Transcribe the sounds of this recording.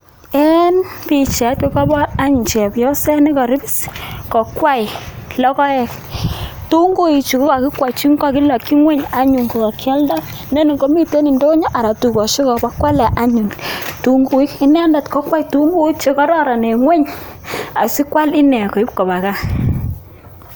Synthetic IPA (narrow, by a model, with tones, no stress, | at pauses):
ɛ˦npi˨t͡ʃɛ˨˦t̚ke˦ka˦bɔ˦a˦ɲu˨ɲt͡ʃɛ˨pjɔ˦sɛ˦ne˦kɔ˨ɾi˦bi˦skɔ˨kwa˦i˨lɔ˦kɔ˦ɛ˨k | tu˦ŋɡo˦i˨t͡ʃi˨ko˦ka˨ki˦kwa˨i˨t͡ʃi˦ŋka˦˨ki˦la˨kːi˦ŋwe˦ɲa˨ɲu˨ŋɡo˨ka˨kʰjɛ˦lda˦ | ne˦ni˨ɡo˨˦mi˦te˦ni˨ndo˦ɲɔ˦ʔa˨ɾa˨tu˨kɔ˨ʃe˦kɔ˨ba˦kwa˦lɛ˨ʔa˦ɲu˨ntu˨ŋɡu˨˦i˦ki˦nɛ˦nda˨tkɔ˦kwa˦jtu˦ŋɡu˦i˦t͡ʃe˦kɔ˦ɾɔ˦ɾa˨ne˨ŋwe˦ɲ | a˨si˦kwa˦li˦nɛ˨ko˨i˦p̚ko˨ba˨ka˦